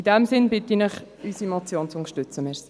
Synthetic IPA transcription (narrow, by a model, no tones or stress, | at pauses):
idɛmsɪnbɪtinəχ | ysimot͡sjoːnt͡sʊŋə̥ʃtʉt͡səmɛɾsi